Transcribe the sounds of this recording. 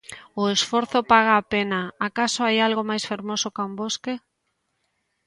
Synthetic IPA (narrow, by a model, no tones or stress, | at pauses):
ʊesfoɾθopaɣ̞aːpenaːkasoajalɣomajsfeɾmosokaumboske